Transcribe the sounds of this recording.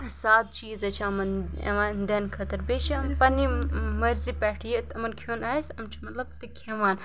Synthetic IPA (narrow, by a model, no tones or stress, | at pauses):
saːt̪̚t͡ʃiːzɐt͡ʃʰãɐmɐnɐ̰ʋaːnd̪ɐnkʰɐt̪ɐɾbeːt͡ʃʰimpɐnimɐɾzipɛːʈʰijɐt̪ɐmɐnkʰjoːnaːsʲɐmt͡ʃʰimɐt̪lɐbt̪ɨkʰeʋaːn